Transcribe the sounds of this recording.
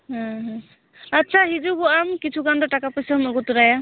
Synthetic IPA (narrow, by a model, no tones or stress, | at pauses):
ɦãɦ | atːsʰaɦizuɡɔamkit͡ʃʰuɡandɔʈakapɔjsamɔɡɔtuɾaja